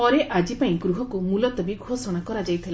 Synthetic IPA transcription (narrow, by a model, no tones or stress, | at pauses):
pɔɾeʔad͡ʒipaĩɡɾuɦɔkumulɔt̪ɔbiɡʱosɔɽ̃akɔɾad͡ʒajt̪ʰile